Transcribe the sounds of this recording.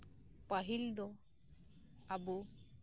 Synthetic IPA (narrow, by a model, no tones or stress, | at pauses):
paɦild̪ɔ | abu